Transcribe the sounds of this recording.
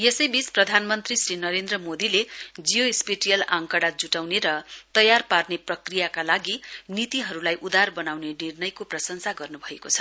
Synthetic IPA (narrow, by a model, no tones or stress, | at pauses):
jesʌjbit͡sprʌd̪ʱanmʌnt̪risrinʌɾend̪rʌmod̪iled͡zijoispiʈijʌlaŋkʌɽad͡zuʈawneɾʌt̪ʌjarparneprʌkrijakalaɡinit̪iɦʌɾulajʔud̪arbʌnawnenirnʌjkoprʌsʌŋsaɡʌrnubʱʌekot͡sʰʌ̥